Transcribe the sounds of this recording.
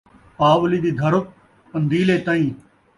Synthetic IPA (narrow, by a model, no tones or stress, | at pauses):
paːʋliːd̪iːd̪ʱəɾʊk̚ | pənd̪iːleːt̪ãːĩː